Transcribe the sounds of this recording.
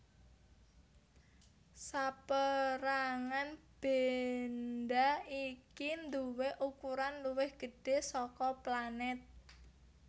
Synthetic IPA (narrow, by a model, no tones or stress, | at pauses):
sapəɾaŋanb̥end̪aikind̪uwɪhʔukuɾanluwɪhɡ̥ə̤ɖ̥e̤sɔkɔplanɛt̪̚